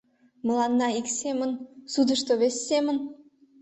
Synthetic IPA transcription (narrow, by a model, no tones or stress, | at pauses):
mə̆lˠɑnːɑiksemə̆nsud̪ə̆ʃt̪oβesʲːemə̆n